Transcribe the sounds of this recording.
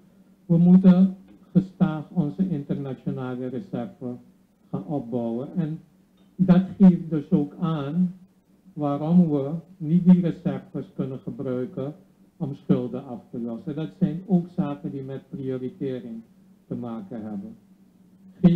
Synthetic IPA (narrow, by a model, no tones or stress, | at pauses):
ʋəmutən | χəstaːχɔnzəʔɪntərnat͡ʃonaːlərəsɛrvə | χaːnɔp̚bɔwənɛn | dɑtχeːf̚dɵsoːkaːn | ʋaːɾɔmʋənit̚dirəzɛrvəskɵnənχəbrœɥkə | ɔmsχʏlˠdəɑftəlɔsədɑtsɛjnoːksaːkəndimɛt̚prioːritɪːrɪŋ | təmaːkənɦɛbən